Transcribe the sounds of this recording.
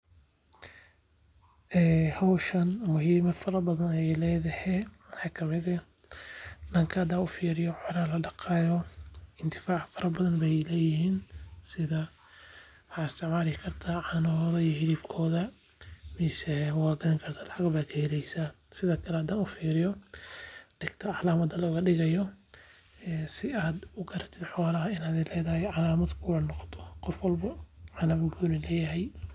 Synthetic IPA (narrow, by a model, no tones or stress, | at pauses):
ɛːhɐwʃɐnmʊhiːmɐfɐɾɐbɐðɐnɛɛjlɛːðɐhɛmħɑkʰɐmɪðɐ | dɐŋkʰɐɐd̪aːnʊfiːɾɪjɔħɔɾaːlɐɖɑqɑːjɔɪnt̪ʰɪ̥faːʕfɐɾɐbɐðɐnbɛjlɛːjɪhiːnsɪðɐ | wɑħɑːɪst̪ʰɪʕmaːlɪkʰɐrt̪ʰaʕɑnɔðɐijhɪliːb̚kʰɔːðɐ | misɛwɑːɡɐðɐŋkʰɐrt̪ʰḁlɑħɑɡɐbaːd̪kʰɐhɛlɛjsaː | sɪðɐːkʰɐlɛhɐd̪aːnʊfiːɾɪjɔ | ɖ̥ɪɡt̪ʰɐʕɑlaːmɐd̪ɐlɔːɣɐɖɪɣɐjɔː | sɪaːd̪ʊɡʰɐɾɐt̪ʰɪd̪ħɔːlɐɦɐɪnaːðɛlɛːðɐhɛʕɑlaːmɐd̪kʰʊwɐnɔqt̪ʰɔ̥qɔfwɐlbɐʕɑlaːmɐɡuːnɪlɛːjɐɦɛj